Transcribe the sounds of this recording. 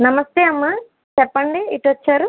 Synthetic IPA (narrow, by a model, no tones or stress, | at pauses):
nɐmɐst̪eːɐmːa | t͡ʃɛpːɐɳɖiiʈʋɐt͡ʃːaːɾu